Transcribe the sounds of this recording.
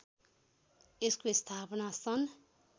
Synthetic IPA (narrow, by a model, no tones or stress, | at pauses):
eskost̪ʰapʌnasʌn